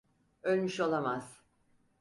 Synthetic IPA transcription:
ølʲmyʃo̞lˠamaz̥

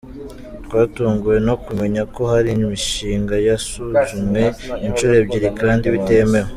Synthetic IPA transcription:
tkwaːtuːŋɡuje̞no̞kume̞ɲako̞haɾimiʃiːŋɡajasuzume̞int͡ʃuɾe̞b̚ɟiɾikaːndiβite̞me̞ɾwe

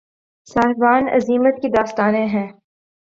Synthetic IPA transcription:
saːɦbaːnɐ̰ziːmət̪̚kid̪aːst̪aːnẽɦɛ̃ː

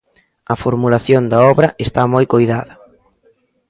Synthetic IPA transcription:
ɐfoɾmulaθjond̪ɐɔβɾɐest̪amojkojðaðɐ

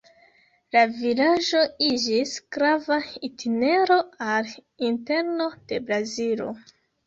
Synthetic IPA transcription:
lavilaʒo̞id͡ʒisɡ̥ɾavaitʰine̞ɾo̞al | inte̞ɾno̞d̥e̞bɾazilo̰

